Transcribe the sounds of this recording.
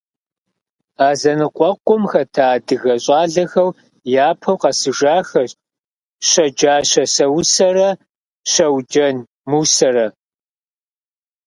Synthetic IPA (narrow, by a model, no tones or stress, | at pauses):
aːzɐnɨqʷʼɔqʷʊmxɐtʰaːdɨɣɐɕʼɑːɮɐxɐw | jaːpʰɐwqɐsɨʒaːxɐɕ | ɕɐd͡ʒaːɕɐsɐwsɐrɐ | ʃɐwd͡ʒɐn | muːsɐɾɐ